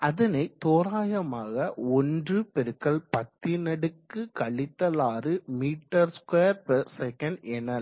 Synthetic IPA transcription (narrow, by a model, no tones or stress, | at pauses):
ɐðɐnɐɪt̪oːɾaːjɐmaːɣɐɔndrɯpɛɾɯkːɐɭpɐt̪ːɪnɐɽɯkːɯkɐɭɪt̪ːɐlaːrɯmiːʈːɐɾskeːɐɾpɐsɛkɐɳɖɛnːɐl